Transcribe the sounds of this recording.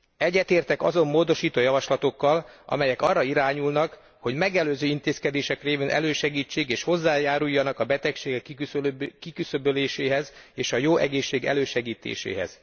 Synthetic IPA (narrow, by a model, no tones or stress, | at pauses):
ɛɟːɛt̪eːrt̪ɛkɒ̰zo̞mːoːd̪o̞ʃiːt̪oːjɒvɒʃlɒt̪o̞kːɒlɒ̰mɛjɛkɒrːɒiɾaːɲulnɒk | ho̞ɟmɛɡɛløːzøːint̪eːskɛd̪eːʃɛkreːveːnʔɛ̰løːʃɛɡiːt͡ʃːeːɡeːʃho̞zːaːjaːɾujːɒnɒkɒbɛt̪ɛkʃeːɡɛkː | kikysøbøleːʃeːɦɛzeːʃɒjoːʔɛɡeːʃːeːɡɛ̰løːʃɛɡiːt̪ḛːʃḛːɦɛ̰z̥